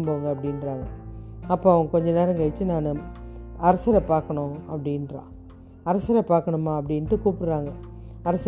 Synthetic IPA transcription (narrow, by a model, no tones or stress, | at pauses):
mboːʋɐŋɡɐɐpːɐɽɪnɾaːŋɡɐɐpːoːɐʋɐŋɡɐkɔɲd͡ʒɐneːɾɐŋɡɐɪt͡ʃːɯnaːnɯ | ɐɾɐsɐɾɐpaːɾkɐɳõɐpːɐɽɪnɾã̰ː | ɐɾɐsɐɾɐpaːɾkɐɳɯmːaːɐpːɐɽɪnʈːɯkuːpɯɽɯɾaːŋɡɐɐɾɐs